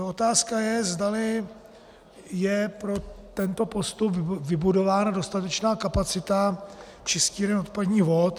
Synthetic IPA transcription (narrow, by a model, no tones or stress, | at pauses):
ʔo̞t̪aːskajɛzdalɪ | jɛpɾo̞t̪ɛnt̪o̞po̞st̪upvɪbudo̞vaːnadost̪at̪ɛt͡ʃnaːkapat͡sɪt̪a | t͡ʃɪsciːɾɛnot̪̚padɲiːvo̞t̪